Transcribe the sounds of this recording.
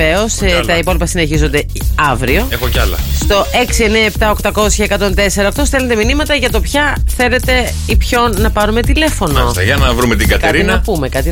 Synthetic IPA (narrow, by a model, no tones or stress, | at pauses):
e̞o̞st̪ɐipo̞lipɐsine̞çizo̞nd̪e̞ | ɐvɾio̞exocɐlɐ̰st̪o̞e̞ksie̞neɐept̪ɐokt̪ɐko̞sçɐekɐt̪o̞nt̪e̞se̞ɾɐokt̪osθe̞lend̪eminimɐt̪ɐʝɐt̪o̞pçɐθe̞le̞t̪e̞ | ipço̞nɐpɐɾume̞t̪ile̞fo̞nost̪ɐʝɐnɐvɾume̞t̪iŋɡɐt̪eɾiinɐpume̞kɐt̪i